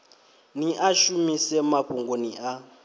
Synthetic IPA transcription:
niʔaʃumisɛmaɸʰuŋɡonia

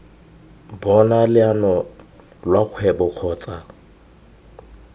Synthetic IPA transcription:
bɔnalɪanɔ | lwaq͡χʰwɛbɔq͡χʰɔːt͡sʼa

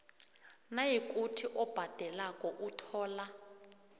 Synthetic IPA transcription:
najikʼutʰiʔɔb̥ʱad̥ʱɛlakʼɔʔutʰɔːla

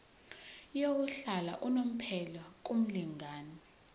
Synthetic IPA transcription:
jowuɬala̰ʔunom̩pʰɛlak̬ʼum̩liŋaːni

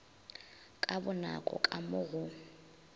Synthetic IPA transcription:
kʼabʊnakʼɔ̰kʼamʊɣʊ

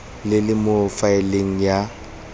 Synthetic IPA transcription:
lɪlɪmofaɪleŋ̩ja

